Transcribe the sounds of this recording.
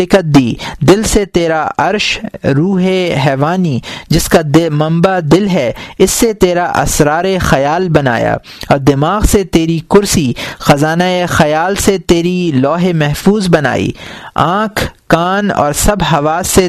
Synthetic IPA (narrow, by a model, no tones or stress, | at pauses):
ɪkət̪̚d̪iːd̪ɪlset̪eːɾaʔɐɾʃɾuːɦeɦɛːʋaːnid͡ʒɪskamɐ̃mbad̪ɪlɦɛɪsːet̪eːɾaʔɐ̰sɾaːɾexɐjaːlbɐna̰ːja̰ː | ɔːɾd̪ɪmaːɣset̪eːɾikʊɾsixɐzaːnaexɐjaːlset̪eːɾilɔːɦemɛɦfuːzbɐna̰ːḭːã̰ːkʰkaːnɔ̰ːɾsɐbɦɐʋaːsːe